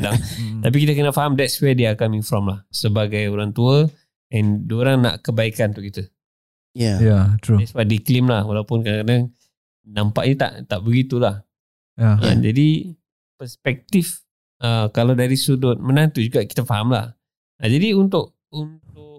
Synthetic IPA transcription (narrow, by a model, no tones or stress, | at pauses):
daŋt̪ap̬ikit̪əkənəfaɦamdɛt̚swɛdiakamĩnfɾɔmlahsəbaɡajoɾaŋt̪uə | ɛ̃ndoɾaŋna̰ʔkəbaikannt̪ʊkit̪ə | jajat̪udɛswajdiklɪmlahwalawpʊnkədaŋkadaŋ | nampa̰ʔɲət̪a̰ʔt̪aʔbəɡit̪ulah | jaə̰d͡ʒadi | pəspɛk̚t̪if | əkalawdaɾisudʊt̪̚mənãŋt̪ud͡ʒuɡaʔki̥t̪əfaɦamla̰h | ad͡ʒadiunt̪̬ʊʔ̚ | unt̪ʊk